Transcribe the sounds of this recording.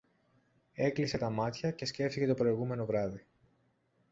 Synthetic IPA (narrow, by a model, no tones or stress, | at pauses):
e̞klise̞t̪ɐmɐt̪çɐce̞sce̞ft̪ice̞t̪o̞pɾo̞iɣume̞no̞vɾɐði